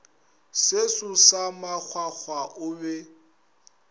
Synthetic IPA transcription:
sesʊsamak͡xʰwak͡xʰwaʔʊbɛ

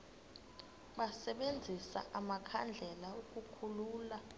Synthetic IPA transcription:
ɓasɛɓend͡zʱisa̰ʔamakʰand͡ɮʱɛlaukʼukʰuluːla

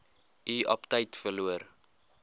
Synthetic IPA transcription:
ʔiʔɐptəjtfərluər

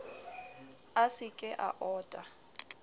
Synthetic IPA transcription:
asɪkʼɛʔa̰ʔɔːtʼa

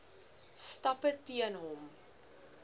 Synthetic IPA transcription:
stɐpətːiənɦɔm

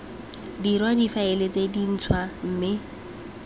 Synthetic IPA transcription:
dirwadifaɪlet͡sedin̩t͡sʰwam̩ːmɪ

